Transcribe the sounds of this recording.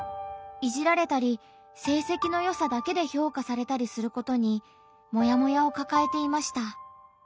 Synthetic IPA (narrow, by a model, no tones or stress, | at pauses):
iʑiɾaɾe̞t̪aɾʲi | se̞ːse̞kʲino̞jo̞sad̪ake̞d̪e̞ço̞ːkasaɾe̞t̪aɾʲisɨɾɯ̟ko̞t̪o̞ɲ̟i | mo̞jamo̞jao̞kakae̞t̪e̞imaɕi̥t̪a